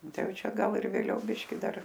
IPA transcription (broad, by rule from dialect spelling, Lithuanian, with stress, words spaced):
ˈtɐɪ ˈjɛʊ ˈt͡ʃʲɛ ˈɡɐlˠ ɪr ʋʲeːˈlʲɛʊ ˈbʲɪʃʲkʲɪ ˈdɐr